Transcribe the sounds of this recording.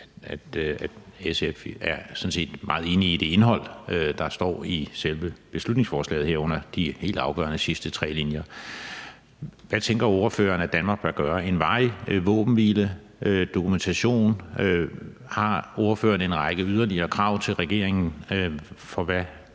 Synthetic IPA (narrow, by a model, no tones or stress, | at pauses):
æd̥æ̥esefæɐsɔ̽n̩se̝̰ːd̥mɑ̈ːð̩ˠe̝ːniːd̥e̝e̝nɦɒ̽l̰ød̥ɑ̈sd̥ɒ̰ːiselʋəb̥e̝slud̥ne̝ŋsfɒːslɛ̰ːð̩ˠhɛɐ̰ɔ̽n̰ɐd̥ihe̝̰ːld̥ɑ̈ʊɡ̥ɶ̰ɐnəsisd̥ət͡sʰʁɛ̰ːlinjɐ | ʋæt͡sʰeŋɡ̥ɐo̝ɐfø̰ːɐːnæd̥ænmɑ̈ːɡ̥̚b̥æɐɡ̥ɶːɐe̝nʋɑ̈ɪʋɔ̰̽ːb̥n̩ʋilə | d̥o̝kʰument͡sʰæɕo̝̰ːn | hɑ̈o̝ɐfø̰ːɐnəe̝nʁɑ̈ɡ̥əyð̞ˠɐliɐːkʰʁɑ̈ʊ̰t͡sʰe̝lʁɛɡ̥e̝̰ɐeŋn̩ | fɒ̽ʋæ